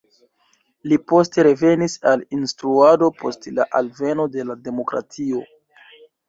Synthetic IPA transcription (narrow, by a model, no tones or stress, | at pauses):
lipo̞ste̞ɾe̞ve̞nisalinstɾuado̞pʰo̞stlaʔalve̞no̞de̞lade̞mo̞kɾa̰tʰio̞